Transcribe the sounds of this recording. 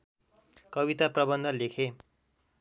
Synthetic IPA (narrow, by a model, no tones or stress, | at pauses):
kʌbit̪aprʌbʌnd̪ʱʌlekʰe